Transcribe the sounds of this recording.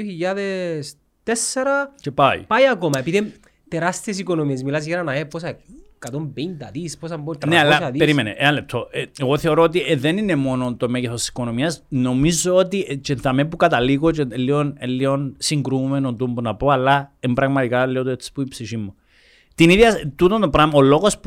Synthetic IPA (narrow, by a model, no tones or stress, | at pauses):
oçiʎːaðes | t̪esːeɾɐce̞paḭpajɐkomɐepiðim | t̪eɾast̪iesiko̞no̞miezmilazʝeɾɐnɐeposakat̪ompend̪ɐðisposɐmbot̪nealːaʃaðipeɾimenḛʔeanle̞p̚t̪ʰo̞ʔeeɣo̞θe̞o̞ɾo̞ot̪̬iðe̞nine̞mo̞not̪o̞me̞ʝeθosti̥si̥ko̞no̞miɐsno̞mizoot̪it͡ʃent̪ɐmepukɐt̪ɐliɣo̞t͡ʃelːio̞nelːionsiŋɡɾumenont̪umbunɐpoɐlːaembɾɐɣmɐt̪ikalːiot̪uet͡sːi̥puipsifimːu | t̪iniðʝɐt̪ut̪ont̪opɾamolo̞ɣo̞spu